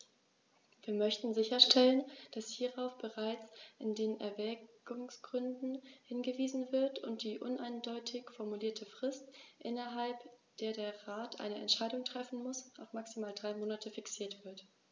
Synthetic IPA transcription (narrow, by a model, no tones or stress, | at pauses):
viːɐmœçtn̩zɪçɐʃtʰɛlənd̥ashiːʁaʊfb̥əʁaɪt͡sʔɪndeːnɛ̰ɐvɛːɡ̥ʊŋsɡ̥ʁʏndn̩hɪnɡəviːzn̩vɪɐtʰʊ̰nt̚d̥iːʔʊnʔaɪndɔʏtʰɪçfɔɐmuliːɐtʰəfʁ̥ɪstʔɪ̰nɐɦalpd̥eːɐdeːɐʁaːtʔa̰ɪnəʔɛ̰ntʃaɪdʊŋtʁ̥ɛfn̩mʊsʔaʊfmaksimaːldʁaɪmoːnatʰəfiksiːɐtv̥ɪɐt